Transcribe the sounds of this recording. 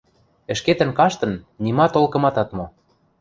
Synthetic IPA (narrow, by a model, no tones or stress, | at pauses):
ə̆ʃket̪ə̆nkɑʃt̪ɤ̆nːimɑt̪olkɤ̆mɑt̪ɑt̪mo